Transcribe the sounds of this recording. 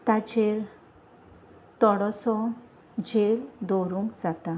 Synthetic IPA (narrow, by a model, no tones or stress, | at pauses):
t̪at͡ɕeɾ | t̪ɔɽɔsɔ | d͡ʑeld̪ɔɾũŋkd͡zat̪a